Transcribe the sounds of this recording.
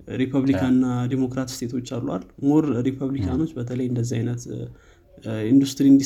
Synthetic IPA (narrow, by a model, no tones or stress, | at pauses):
ɾipʰəβlikʰanːad̪emo̞kɾat̪st̪ʰe̞t̪ʰo̞t͡ʃːalːuwa̰lmoɾɾipʰəβlikʰano̞t͡ʃːbət̪ʰələjɨnd̪əzːiajnət̪ | ind̪ust̪ɾiɨnd̪i